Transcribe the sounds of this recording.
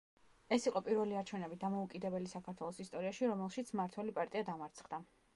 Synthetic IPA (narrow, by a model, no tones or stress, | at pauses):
ɛsiqʼɔpʼiɾvɛliaɾt͡ʃʰɛvnɛbid̪amɔukʼid̪ɛbɛlisakʰaɾt̪ʰwɛlˠɔsist̪ʼɔɾiaʃiɾɔmɛlˠʃit̪sʰmaɾt̪ʰwɛlipʼaɾt̪ʼiad̪amaɾt̪sʰχd̪a